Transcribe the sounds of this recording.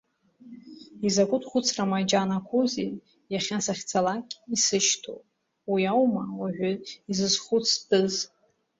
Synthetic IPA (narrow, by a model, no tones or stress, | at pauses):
izakʷʼʊtʰʼχʷʊt͡sʰramajd͡ʒanakʷʰozi | jaχʲasaχʲt͡sʰalakʲʼisɨʃtʰo̰pʼ | wiawmawaʒʷᶣaizɨzχʷʊt͡sʰdʼɨz